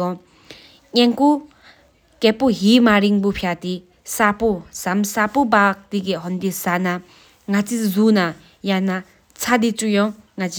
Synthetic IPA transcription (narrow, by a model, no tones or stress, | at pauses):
ɔ | ŋeŋku | kɛpoɦimaɾiŋbupʰjat̪i | saposamsapobak̚t̪ik̬eɦɔnd̪isana | ŋat͡sizuna | jana | t͡sʰad̪it͡sujɔ̃ŋŋat͡si